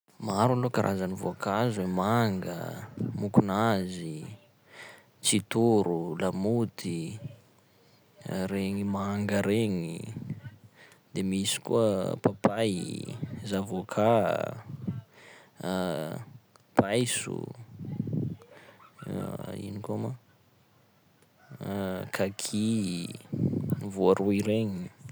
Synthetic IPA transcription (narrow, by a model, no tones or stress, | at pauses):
maɾalokaɾʔa̰zanivoakazwemaŋɡə̰mukunazi | t͡sit̪uɾulamut̪ʰi | ɾeŋimaŋɡəɾeŋi | d̪emisi̥kuəpapa | zavokʰa | pajsṵ | ḭnikuama | kʰakʰi | vuaɾʔuiɾeɲi